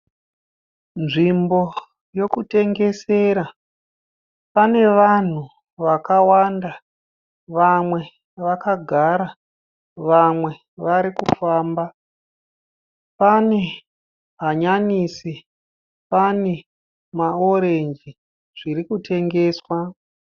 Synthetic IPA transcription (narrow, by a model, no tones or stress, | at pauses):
nʐimbo̞ | jokute̞ŋɡe̞se̞ɾa | pane̞ʋan̤u | ʋakawanda | ʋamwe̞ | ʋakaɡʱaɾa | ʋamwe̞ | ʋaɾikufaːmba | pane̞ | ɦaɲaniːsi | pane | mao̞ɾe̞ɲd͡ʒi | ʐ̥iɾikutʰe̞ŋɡe̞ːswa